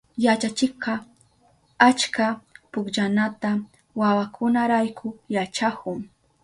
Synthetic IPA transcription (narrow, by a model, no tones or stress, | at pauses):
jat͡ʃat͡ʃɪqɑ | at͡ʃkapʊkʎanat̪a | wawakʰʊnaɾajkʰʊjat͡ʃakʊŋ